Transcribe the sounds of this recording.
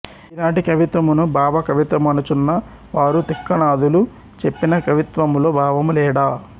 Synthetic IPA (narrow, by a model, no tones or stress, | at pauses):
ilaːɳʈikɐʋit̪ʋɐmunubʱaːʋɐkɐʋit̪ʋɐmɐnut͡ʃunːɐ | ʋaːɾut̪ikːɐnaːd̪ulu | t͡ʃe̞pːinɐkɐʋit̪ʋɐmlo̞ːbʱaːʋɐmulɛːɽaː